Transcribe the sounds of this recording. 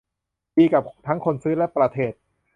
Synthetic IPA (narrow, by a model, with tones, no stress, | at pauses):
biː˧ka˨˩p̚t̪ʰa˦˥ŋkʰo˧nsɯː˦˥lɛ˦˥ʔpɾa˧t̪ʰeː˨˩t̪̚